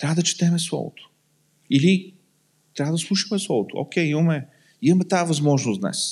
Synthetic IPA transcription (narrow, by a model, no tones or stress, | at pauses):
t̪ɾʲavəd̪ɐt͡ʃi̥t̪ɛmɛslˠɔ̰vo̰t̪ʊ̥ | ili | t̪ɾavəd̪ɐslˠuʃɐ̥mɛslˠɔvot̪oo̰kʲɛjimɐmɛ | imɐmɛt̪aːvɐzmɔʒnʊsd̪nɛ̰s